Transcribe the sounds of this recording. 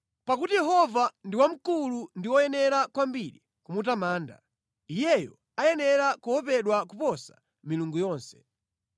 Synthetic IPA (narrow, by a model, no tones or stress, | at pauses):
pakutijɛɦɔvandiwam̩kulundiwɔjɛnɛɾakwambiɾḭ | kumutamaːnda̰ | ijɛjɔ | ajɛnɛɾakuwɔpɛɗwakupɔsa | miluŋɡujɔːnsɛ̥